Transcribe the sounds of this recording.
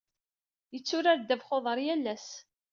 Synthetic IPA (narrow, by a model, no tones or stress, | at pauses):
jət͡sːʊɾaɾd̪ævχoðˤəɾˤjælːæs